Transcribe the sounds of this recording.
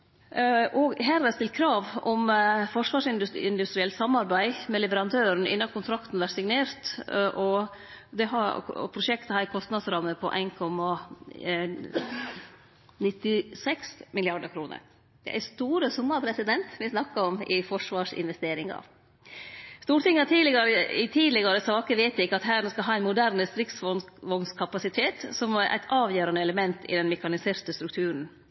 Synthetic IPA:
ʔɔɡɦæːɾɑst̪ɪlt̪̚kʰɾɑːʋɔmfɔʂʋɑːʂɪnd̪ʉɪnd̪ʉst̪ɾɪɛlt̪sɑmːɑɾbæɪmɛlɛʋəɾɑnt̪ʰøːɾn̩ɪ̰nːɑkʰʊnt̪ʰɾɑkt̪n̩ʋæʈsɪŋneːɾt̪ʔɔ | d̪ɛɦɑ̰pʰɾʊʃɛkt̪əhæːɾɪkʰɔst̪nɑd̪sɾɑmːəpʰɔ̰ʔæ̰ɪnkʰɔmːɑ | nɪt̪ːɪsɛksmɪlɪɑɖəɾkʰɾuːnʔə̰ɾ | d̪̥ɛ̰ʔæ̰ɪst̪uːɾəsʊmːəɾpʰɾɛsɪd̪ɛnt̪ʋɪsnɑkːəɾɔmɪfɔʂʋɑːʂɪ̰nʋɛst̪eːɾɪŋɑ̰ | st̪uːʈɪŋːət̪ʰiːd̪lɪɡɑɾəɪt̪ʰiːlɪɡɑɾəsɑːkəʋeɪt̪ɪkːəɑt̪ɦæːnəːskɑlɦɑːæɪnmʊd̪æɾnst̪ɾɪksfɔnʋɔnskʰɑpɑsɪt̪ʰeːt̪sɔmʔæ̰ɪt̪ʰɑːʋjøːɾɑnəɛləmɛnt̪ʰɪ̰d̪ɛnmɛkɑnɪseːɾt̪əst̪ɾʉk̚t̪ʰʉːɾn̩

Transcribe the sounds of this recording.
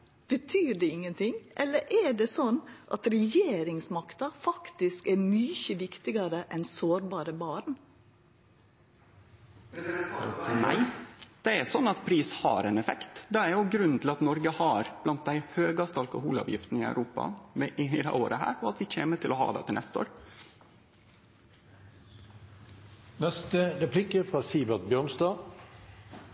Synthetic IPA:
b̥ət̪ʰyːd̪ɛɪŋːənt̪ʰɪŋʔɛlːəɾʔæɖesɔnːʔɑt̪ɾɛjeːɾɪŋsmɑkt̪ɑfɑkt̪ɪskæɾmyːçəʋɪkt̪ɪɡɑɾəʔɛnsoːɾbɑːɾəbɑːɾn̩ | næ̰ɪd̪̥ɛæsɔnːɑt̪pʰɾiːshɑ̰ɾɛnɛfɛkt̪d̪ɛæɾjʊɡɾʉnn̩t̪ʰɪlɑt̪nɔɾɡəhɑːɾb̥lɑnt̪̚d̪æɪhøːɡɑst̪ɑlkʊhṵːlɑ̰ːʋjɪ̰ft̪n̩ɪæ̰ʉɾʔuːpɑ̰ʋɛʔɪɪd̪ɛ̰oːɾʔəhæ̰ːɾɔɑt̪ʋɪc͡çʰḛːmət̪ʰɪlɔhɑ̰ːd̪ɛ̰t̪ʰɪlɛst̪əo̰ːɾ | nɛst̪əɾɛpʰlɪkəfʁɑːsiːbət̪̚bjœːɾnsd̪ɑː

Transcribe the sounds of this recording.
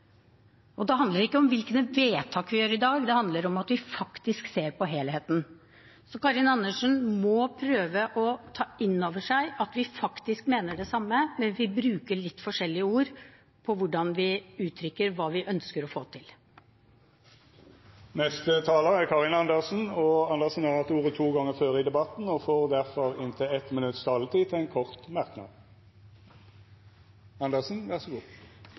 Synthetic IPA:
ʔɔd̪ɛɦɑnd̪ləɾɪkːəɔmʋɪlknəʋeːt̪ʰɑːkʋɪjøːɾɪd̪ɑːɡd̪ɛhɑnd̪ləɾɔmɑt̪ʋɪfɑkt̪ɪskseːɾpɔɦeːlheːt̪n̩ | sɔkɑɾɪnɑnːəʂənmɔpʰɾøːʋəʔɔt̪ʰɑːʔɪnːoːʋəʂæɪʔɑt̪ʋɪfɑkt̪ɪskmeːnəɖɛsɑmːəmɛnʋɪbɾʉːkəɭɪt̪ːfɔʂɛlːɪəuːɾ | pʰɔʋʊɖɑnʋɪʉːt̪ʰɾʏkːəɾʋɑːʋɪʔœnskəɾɔfoːt̪ʰɪl | nɛst̪ət̪ʰɑːləʁækʰɑʁɪnɑnd̪əʁsn̩ɔɑnd̪əʁsn̩jæːʁɑt̪uːʁət̪ʰuːɡɑŋːəføːʁəid̪ɛbɑt̪n̩ɔfoːʁd̪æʁfɔʁɪnt̪ʰɪɛt̪mɪnʉt̪st̪ʰɑːlət̪ʰiːt̪ʰɪɛɪnkʰɔʁt̪mɑʁknɑ̰d̪ | ɑnd̪əʁsn̩ʋæʁsɔɡuː

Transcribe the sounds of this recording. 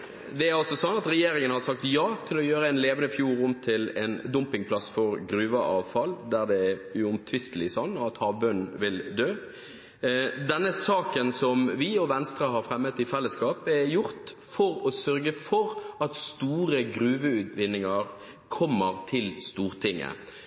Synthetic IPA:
d̪ɛæɾɑlsɔsɔnːɑt̪ɾɛjeːɾɪŋənhɑɾsɑk̚t̪jɑːt̪ʰɪlɔjøːɾəɛnleːʋənəfjuːɾʊmt̪ʰɪlɛ̰nd̪ʊmpɪŋpʰlɑsfɔɾɡɾʉːʋəʔɑ̰ːʋfɑld̪æɾd̪ɛɛjʊʊmt̪ʰʋɪst̪lɪsɔnːɔɑt̪hɑːʋbœnʋɪld̪øː | d̪ɛnːəsɑːkənsɔmʋɪɔʋɛnst̪ɾəɦɑɾfɾɛmːət̪ɪfɛlːəskɑːpɛɾjʊɾt̪fɔɾɔsœɾɡəfɔɾɑt̪st̪uːɾəɡɾʉːʋəʉːt̪ʋɪnːɪŋɑɾ | kʰɔmːəɾt̪ʰɪlst̪uːʁt̪ʰɪŋːə̰

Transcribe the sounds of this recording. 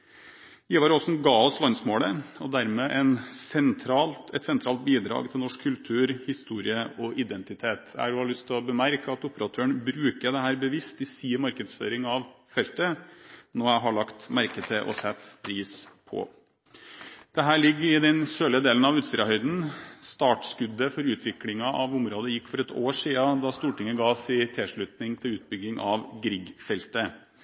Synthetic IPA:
jiːʋɑɾɔsnɡɑːɔslɑnsmoːləɔd̪æɾmeːʔɛnsɛnt̪ʰɾɑːlt̪ɛt̪sɛnt̪ɾɑːlt̪̚biːd̪ɾɑ̰ːɡt̪ʰɪlnɔʂkʰːʉlt̪ʰʉːɾhɪst̪uːɾɪəɔʔɪd̪ɛnt̪ɪt̪ʰeːt̪æ̰æhɑɾʉhɑɭʉst̪ʰɪlɔbəmæɾkəɑt̪ʊpəɾɑt̪ʰøːəɳbɾʉːkəd̪ɛhæːɾbəʋɪst̪ɪsiːəmɑɾkəd̪sfø̰ːɾɪŋɑʋfɛlt̪ənoːæɪɦɑɭɑkt̪mæɾkət̪ʰɪʔɔ̰sɛt̪ːpʰɾiːspʰɔ̰ | d̪̥ɛɦæːɭɪɡːəɪd̪ɛnsøːləd̪eːlən̩ɑʋʉːt̪sɾɑhœʏd̪n̩st̪ɑːʈskʉd̪ːəfɔɾʉːt̪ʰʋɪklɪŋɑʔɑʋʊmɾoːd̪əjɪkːfɔɾɛt̪ʰoːʂiːɑd̪ɑst̪uːʈɪŋːəɡɑːsɪt̪ʰɛʂɭʉt̪nɪŋt̪ʰɪlʉːt̪̚bʏɡːɪŋʔɑʋɡɾɪɡfɛlt̪ə

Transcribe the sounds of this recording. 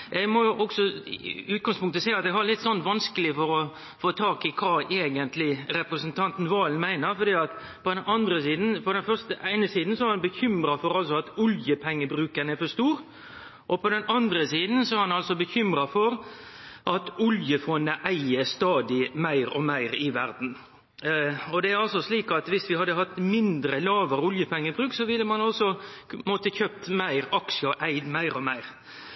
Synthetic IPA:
ʔɛɡmɔjʊʔɔksɔʉːt̪ɡɑŋspʰʊŋkt̪əsæɪɑt̪̚d̪ɛɡhɑɾlɪt̪ːsɔnt̪ʋɑnskəlɪfɔɾɔ | foːt̪ʰɑːkɪkʰɑːʔeːɡənt̪lɪɾɛpɾəsənt̪ʰɑnt̪n̩ʋɑːln̩mæɪnəɾfɔɾd̪iːɑt̪ | pʰɔd̪ɛnɑnd̪ɾəsiːd̪n̩pɔd̪ɛnfœɾst̪əʔæɪnəsiːd̪n̩sɔhæɾhɑnbəçʏmɾɑfɔɾɑlsɔɑt̪ʊljəpʰɛŋːəbɾʉːkənɛfɔʂt̪uːɾ | ʔɔpʰɔd̪ɛnʔɑnd̪ɾəsiːd̪n̩sɔæɾhɑnɑlsɔbəçʏmɾɑfɔɾʔɑt̪ʊljəfɔnːəʔæɪəst̪ɑːd̪ɪmæɪɾɔmæɪɾɪʋæɾd̪n̩ | ɔd̪ɛæɾɑlsɔsliːkɑt̪ʋɪsʋɪhɑd̪ːəhɑt̪mɪnd̪ɾəlɑːʋəɾʊljəpʰɛŋːəbɾʉːksɔʋɪlːəmɑnɔsɔmɔːt̪əçøːp̚t̪mæɪɾɑkʃəɔʔæɪd̪mæɪɾɔmæɪɾ

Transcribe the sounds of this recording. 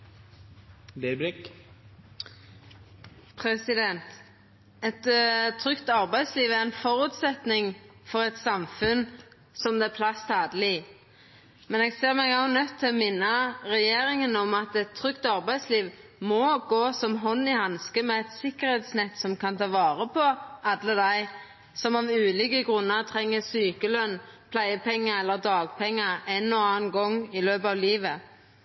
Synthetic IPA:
d̪ɛbɾɪk | pʰʁɛsɪd̪ɛnt̪ | ɛt̪t̪ʰːʁʏkt̪ɑʁbæɪsliːʋæʁɛnfɔʁʉːt̪sɛt̪nɪŋ | fɔʁɛt̪sɑmfʉn | sɔmd̪ɛːæpʰlɑst̪ɑːd̪əlɪ | mɛnɛːɡseːʁmɛɡɑʊnœt̪ʰːɪlɔmɪnːɑʁɛjeːʁɪŋənɔmɑt̪ɛt̪ʰːʁʏkt̪ɑʁbæɪsliːʋmɔɡoːsɔmɦɔnːɪhɑnskəmɛɛt̪sɪkəʁhɛːt̪snɛt̪ːsɔmkʰɑnt̪ʰɑːʋɑːʁəpʰɔʔɑd̪ləd̪æɪ | sɔmɑʋʉːlɪkəɡʁʉnːəʁt̪ʰʁɛŋːəsyːkəlœnpʰlæɪəpʰɛŋːəɛlːəʁd̪ɑːɡpʰɛŋːəænːɔɑːnɡɔŋːɪløːbɑːʋliːʋə

